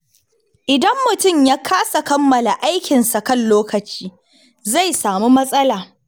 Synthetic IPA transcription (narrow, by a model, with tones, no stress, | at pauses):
ʔɪ˨dɐ˦mːʊ˨tʊ˦˨mjaː˦kʰaː˦sa˨kɐ˦mːɐ˨la˨ʔa˦jkʲɪ˨nsa˨kɐ˦˨nloː˦kɐ˨t͡ʃiː˦ | za˦˨jsaː˨mu˦mɐ˦sʼɐ˦laː˨